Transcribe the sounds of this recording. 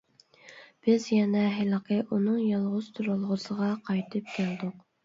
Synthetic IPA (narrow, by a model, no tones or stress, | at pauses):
b̥ɪzjɛnɛɦɪlˠqʰəʔunɨŋjɑlˠʁʊz̥t̪ʰuɾɑlˠʁəsəʁɑqʰɑjt̪ʰɨp̚kʲʰæld̪ʊq